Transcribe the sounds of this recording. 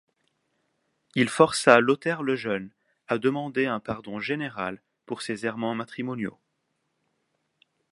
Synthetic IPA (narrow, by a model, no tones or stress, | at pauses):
ilfɔʁsalot̪ɛʁləʒœn | ad̪əmɑ̃d̪eɛ̃paʁd̪ɔ̃ʒeneʁal | puʁsezɛʁmɑ̃mat̪χimɔnjo̰